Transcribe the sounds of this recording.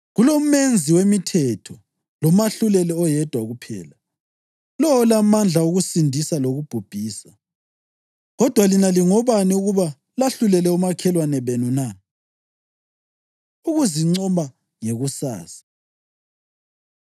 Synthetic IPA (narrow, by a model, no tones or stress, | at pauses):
ɣulom̩mend͡zʱiwemitʰɛtʰɔ | lɔmaɬulɛlɛɔjɛd̥ʱwaɣupʰɛ̰ːla | lɔwɔlamand͡ɮʱauɣusindʱisaloɣub̥ʱub̥ʱiːsa | ɣɔd̥ʱwalinaliŋɔβaniuɣuβa | laɬulɛlɛumakʰɛlwanɛβenuna | uɣuziŋ͡ǀɔma | ŋeɣusa̰ːsḁ